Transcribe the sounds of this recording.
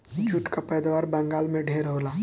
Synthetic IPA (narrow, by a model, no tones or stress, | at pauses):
d͡ʒʱʊʈkapɛːd̪aʋaːɾbə̃ŋɡaːlmẽɖʱeːɾɦoːlaː